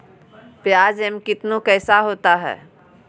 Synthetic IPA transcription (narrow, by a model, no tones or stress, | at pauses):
pjaːd͡ʒemkɪt̪nõkɛːsaɦoːt̪aɦɛ̰ː